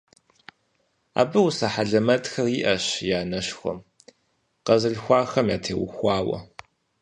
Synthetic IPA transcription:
a̰ːbɨwusɐħaɮɐmɐtxɐriːʔɐɕjaːnɐɕxʷɔ̰m | qɐzɨɮxʷɑːxɐmjaːtʰḛːwʊxʷɑːwɐ̰

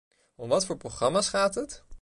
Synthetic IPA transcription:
ɔmʋɑtfʊːɹproχrɑmaːsχaːtət

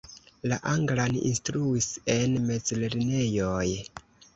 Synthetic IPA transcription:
laʔaŋɡlanḭnstɾuise̞nme̞d͡zleɾne̞joj

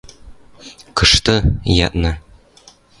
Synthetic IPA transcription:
kɤ̆ʃt̪ɤjɑ̰t̪nɤ

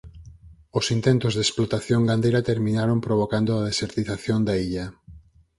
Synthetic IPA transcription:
osint̪ent̪ʊzðesplot̪aθjoŋɡand̪ejɾɐt̪eɾmĩnaɾompɾoβ̞okand̪oaðeseɾt̪iθaθjond̪aiʎɐ

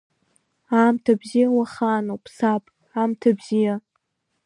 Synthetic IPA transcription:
amtʰabzijawaχaːnowpʰsapʼ | amtʰabzija

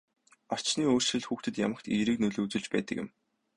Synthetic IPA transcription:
ɔr̥t͡ɕniːoːr̥ʃɘ̆ɮxuːxt̪ɘ̆t̪ja̰mə̆kt̪eːɾiːknɵɮuːt͡sɵ̆ɮt͡ɕpæ̰ːt̪ə̆kjɪ̆m

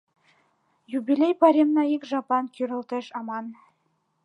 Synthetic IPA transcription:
jubʲilʲejpɑɾʲemnɑikʒɑpɑnkyɾɘ̆lt̪ɘ̆ʃɑmɑn

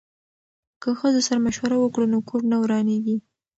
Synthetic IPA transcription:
kəxəzosaɾamaʃwaɾawəkɽunokʰoɾnawɾɑneɡi

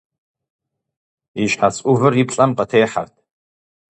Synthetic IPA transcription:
iʃħasʼʊvɨripʰɬʼɐmqɐtʰeːħa̰rtʰ

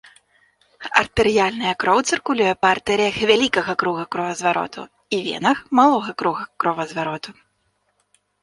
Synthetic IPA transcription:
ɐ̰rt̪ɨɾɨjalʲnɐjɐkɾɔwt̪sɨrkulʲujɛpɐart̪ɛɾʲɨjɐxvʲalʲikɐɣɐkɾuɣɐkɾɔvɐzvaɾɔ̰t̪ṵ | ivʲɛ̰nɐxmalˠɔɣɐkɾuɣɐkɾɔvɐzvaɾɔt̪u

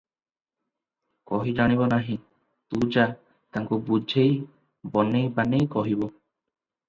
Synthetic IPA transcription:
kɔɦid͡ʒaɽ̃iβɔnaɦĩ | t̪ud͡ʒa | t̪aŋkubud͡ʒʱej | bɔnejbanejkɔɦibɔ

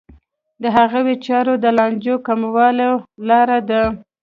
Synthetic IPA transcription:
d̪əɦaɣawet͡ʃɑɾod̪əlɑnd͡ʒokamawɑlolɑɾad̪a

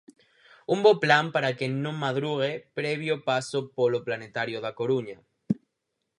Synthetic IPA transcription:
umboplampaɾakenõŋmaðɾuɣ̞epɾeβjopasopoloplanet̪aɾjoðakoɾuɲa

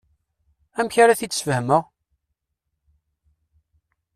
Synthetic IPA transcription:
æmçaɾaθit͡sːsfəhməʁ

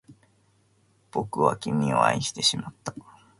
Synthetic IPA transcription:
b̥o̞kɯ̟βa̰kʲimʲio̞̰a̰iɕi̥t̪e̞ɕimat̪ːḁ

